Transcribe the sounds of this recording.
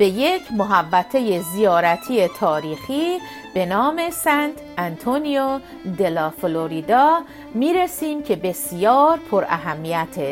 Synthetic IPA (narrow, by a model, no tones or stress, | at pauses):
b̥e̞je̞kʰmoɦæbːæt̪ʰe̞je̞zijɒːɾæt̪ʰiːe̞t̪ʰɒːɾiːχiː | b̥e̞nɒːme̞sænt̪ʰʔænt̪ʰonio | d̪e̞lɒːfloɾid̪ɒː | miːɾesiːmcʰe̞be̞sjɒːɾpʰoɾʔæ̰ɦæmːijæt̪ʰe